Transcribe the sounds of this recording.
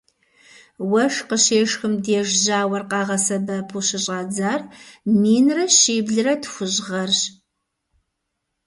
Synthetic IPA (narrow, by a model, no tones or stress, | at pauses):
wɐʂqəɕeːʂxɨmdeʒʑaːwɐrqɑːʁɐsɐbɐpʰuɕɪɕʼɑːd͡zaːrmiːnrɐɕiːbɮɨrɐtʰxʷʊʑʁɐrɕ